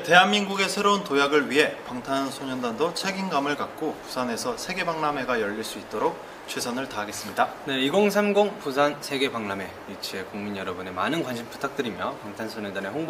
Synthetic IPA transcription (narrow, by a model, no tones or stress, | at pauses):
te̞ɦanmːinɡuɡe̞sʰeɾountojaɡɯɭɥiɦe̞paŋtʰansʰoɲʌndandot͡ɕʰeɡinɡamɯɭkak̚k͈opu̥sʰane̞sʰʌsʰe̞ɡe̞baŋname̞ɡajʌʎːiɭs͈uit̚t͈oɾok̚ | t͡ɕʰesʰʌnɯɭtaɦaɡe̞s͈ɯmɲidane̞iɡoŋsʰamɡoŋpusʰansʰe̞ɡe̞paŋname̞ | it͡ɕʰie̞kuŋminjʌɾʌbune̞manɯnkwanɕʰimp͈u̥tʰak̚t͈ɯɾimjʌpaŋtʰansʰoɲʌndaneɸoŋb